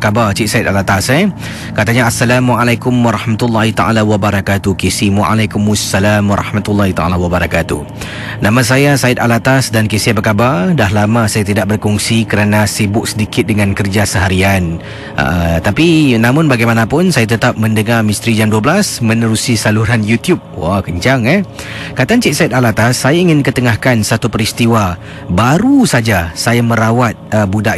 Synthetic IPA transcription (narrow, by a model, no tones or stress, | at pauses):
kabart͡ʃiʔsaɪt̪̚alat̪asɛ | kat̪aɲaːsːalamwʔalajkʊmwaɾˤɑhmat̪ulːahit̪aʔa̰lawabaɾakat̪uhkisimwʔa̰lajkumasːalamwaɾˤʔɑ̰hmat̪ulːahit̪a̰a̰lawabaɾakat̪ṵ | namãs̬ajasaɪt̪̚alat̪asdankisiabəkabardaɦlamãsajat̪idaʔ̚bərkɔŋsikəɾanasibʊk̚sədikɪt̪̚dəŋankərd͡ʒasəɦaɾian | ʔə̰ʔət̪apinãmʊnbaɡajmanapʊnsajat̪ət̪ap̚məndəŋarmist̪ɾid͡ʒanduabəlasmənəɾusisaluɾanjut̪jup̚wakəɲt͡ʃaŋɛhkat̪ant͡ʃiʔ̚saɪt̪̚alat̪asːajaiŋɪnkət̪əŋahkansat̪upəɾist̪iwa | baɾusad͡ʒasajaməɾawat̪̚əbudaʔ